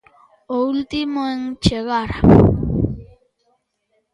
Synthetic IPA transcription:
oult̪ɪmoeŋt͡ʃeɣaɾa

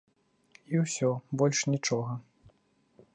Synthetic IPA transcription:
iwsʲɔbɔlʲʂnʲit͡ʂɔɣɐ

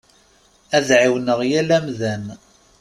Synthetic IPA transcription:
æðʕiwnəʁjælæmðæn

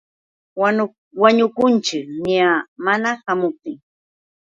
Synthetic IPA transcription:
waɲʊkʊnt͡ʃɪkɲamanahamʊp̚t̪ɪŋ

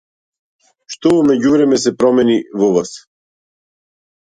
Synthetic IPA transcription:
ʃt̪ɔvɔmɛɟuvɾɛmɛsɛpɾɔmɛnivɔvas

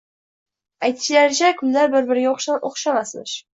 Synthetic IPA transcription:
ajt̪ʰɪ̥ʃɪlaɾɪt͡ʃʰakʲʰʊmlaɾbɪɾbɪɾɡʲaoχʃoχʃamasmɪ̰ʃ

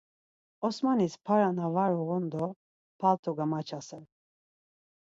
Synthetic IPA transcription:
ɔsmanispʰaɾanavaɾuɣɔnd̪ɔ | pʰalt̪ʰɔɡamat͡ʃʰasɛl

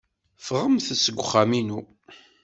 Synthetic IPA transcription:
fʁəmθəsəɡʷʊχːaminu

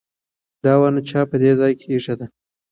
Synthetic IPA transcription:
d̪ɑwanat͡ʃɑpəd̪ezɑjkʰeiʂad̪a

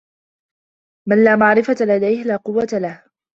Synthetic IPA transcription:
manlaːmaʕɾɪfatlad̪ajhlaːqʊwːat̪alah

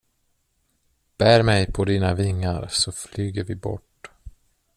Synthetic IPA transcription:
b̥æːɾmɛjpʰɔd̪iːnavɪŋːaɾsɔflyːɡəɾvɪbɔ̰ʈ

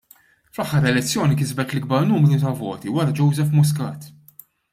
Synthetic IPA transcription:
flɐħːɐɾɛlɛt͡sːjɔːnikɪzbɛt̪lɪɡ̚bɐɾnuːmɾut̪ɐvɔ̰ːt̪iwɐɾɐd͡ʒɔwzɛfmʊs̬kɐ̰ːt̪

